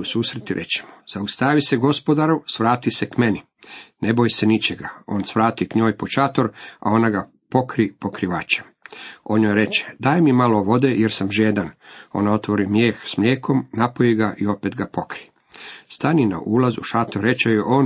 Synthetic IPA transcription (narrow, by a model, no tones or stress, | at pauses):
usuːsɾet̪iɾʔḛt͡ɕe̥moz̥aust̪aʋiseɡo̞spo̞d̪aɾusʋɾaːt̪isekmeni | nebojsenit͡ʃeɡao̞̰ːnsʋɾaːt̪ikɲo̞ːjpo̞t͡ʃat̪o̞ɾa̰o̞naɡa | po̞kɾipokɾiʋaːt͡ʃemo̞nɲojɾe̞t͡ʃe̥d̪aːjmimaloʋo̞d̪ejeɾsamʒeːd̪ano̞̰nao̞t̪ʋo̞ɾimjeːxsmʎʲjeːkʰo̞mnapojiɡaʔio̞pet̪ɡapokɾi | st̪anina̰ʔuːlazṵʃat̪oɾet͡ʃejoʔoːn